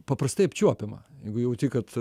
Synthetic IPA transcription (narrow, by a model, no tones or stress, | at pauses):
pɐpɾɐst̪ɐɪɐpʲt͡ʃʲuɔpʲɪmɐ̰jɛɪɡʊjɛʊt̪ʲiːkɐt̪